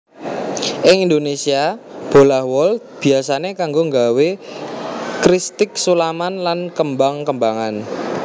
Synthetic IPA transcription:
ʔɪŋind̪onesiab̥o̤lahwɔl | b̥i̤asanekaŋɡoŋɡawe | kɾist̪ɪk̚sulamanlankəmbaŋkəmbaŋan

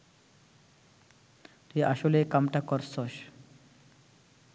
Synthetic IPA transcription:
t̪uiaʃolekamʈakɔɾsɔʃ

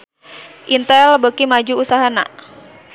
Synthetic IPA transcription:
ʔint̪ɛlbəkimad͡ʒuusaɦana̰ʔ

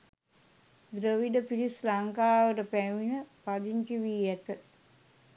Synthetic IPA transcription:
d̪ɾəʋiɖəpiɾislaŋkaːʋəʈəpæminəpad̪iŋkiʋiːjɛt̪ə

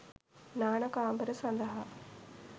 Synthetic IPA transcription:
naːɳɐkaːmbɐɾɐsɐnd̪ɐɦɐ

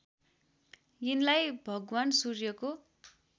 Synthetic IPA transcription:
jinlajbʱʌɡwansurjʌko

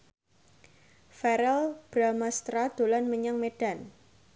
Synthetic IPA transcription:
fɛɾɛlb̥ɾamast̪ɾad̪̥o̤lanməɲaŋmeɖ̥a̤n

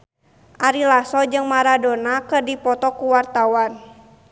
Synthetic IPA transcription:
ʔaɾilasɔd͡ʒɨŋmaɾadɔnakərdipɔt̪ɔkuwart̪awan

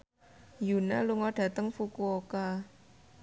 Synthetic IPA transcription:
junaluŋɔɖ̥ä̤t̪əŋfukuoka

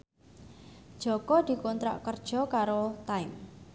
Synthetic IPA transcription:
d̥ʒ̥ɔ̤kɔd̪̥i̤kɔnt̪ɾa̰ʔkərd̥ʒ̥ɔ̤kaɾot̪ajm

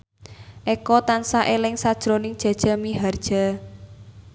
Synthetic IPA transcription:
ʔekɔt̪ansaʔelɪŋsad̥ʒ̥ɾonɪŋd̥ʒ̥ä̤d̥ʒ̥a̤miɦard̥ʒ̥a̤

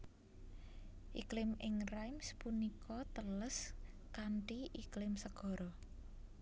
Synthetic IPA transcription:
ʔiklɪmɪŋrajmspunikʰɔt̪ələs | kaɳʈiʔiklɪmsəɡ̥ɔ̤ɾɔ

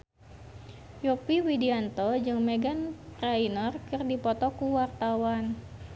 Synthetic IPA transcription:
jɔpiwidiant̪ɔd͡ʒɨŋmeɡanprainɔrkɨrdipɔt̪ɔkuwart̪awan

